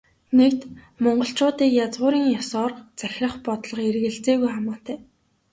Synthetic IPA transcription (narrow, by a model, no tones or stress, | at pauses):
nek̚t̪ | mɔɴɢɞ̆ɬt͡ɕʊːt̪iːkjat͡sʁʊːɾiːŋjɔsɔːrt͡sæxʲrə̆χpɔt̪ɮɞ̆χerɣɘ̆ɬt͡seːɣujχamʊːt̪ʰæː